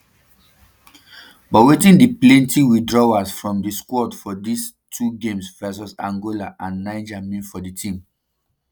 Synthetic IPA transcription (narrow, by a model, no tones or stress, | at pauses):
bɔtwetĩndiplẽntiwidɹɔwasfɹɔ̃mdiskwɔdfɔdis | tʰuɡẽmsfɛs̬ɔsãŋɡolaʔãnːãɪ̃nd͡ʒamĩfɔditʰĩm